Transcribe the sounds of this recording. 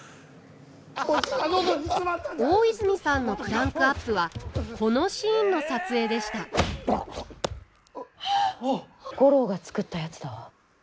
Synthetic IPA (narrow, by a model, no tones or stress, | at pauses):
oːizɨɲ̟ʲisãnːo̞pɯ̟ɾãŋkɯ̟apːɯ̟βakʰo̞no̞ɕĩːnːo̞sat͡sɨe̞ːd̪e̞ɕi̥t̪a | ɡ̥o̞ɾo̞ɡat͡sɨ̥kɯ̟t̪ːajat͡sɨ̥d̪aβa